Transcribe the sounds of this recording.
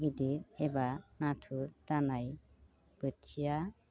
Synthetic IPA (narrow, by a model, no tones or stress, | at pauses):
ɡid̪iɾɛbanatʰuɾtanaj | b̥ət͡ʃʰija